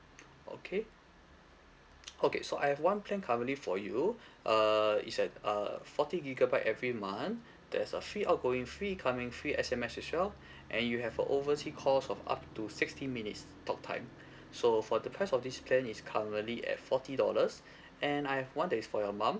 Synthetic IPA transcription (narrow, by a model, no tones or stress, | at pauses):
ʔo̰kʰe | ʔokḛsoʔa̰jhɛvwãnpʰlɛ̃nkʰavə̃tlifɔju | ʔʌḭtsɛt̚ə̰fɔtiɡiɡabaɪʔɛvɹimãn | d̥ɛsəfɹiʔat̚ɡ̥oĩŋfɹikʰamĩŋfɹiʔɛsɛmɛsisɛl | ʔɛ̃njuɦɛvə̰ʔovəsikʰɔsɔfa̰p̚tusɪkstĩnminits | tʰɔk̚tʰã̰ɪ̃m | sofɔdəpʰɛsɔfdispʰlɛ̃niskʰaə̃tliɛ̰tfɔtidɔ̰ləs | ɛ̃najhɛvwãndɛtisfɔjɔmãm